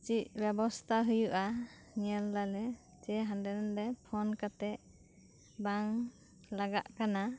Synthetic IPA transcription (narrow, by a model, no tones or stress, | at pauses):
t͡ʃic̚bjɛbɔst̪ʰaɦujuʔa | ɲɛlːalɛ | t͡ʃɛɦandɛɾndɛpʰɔnkat̪ɛʔ | baŋ | laɡa̰ʔkana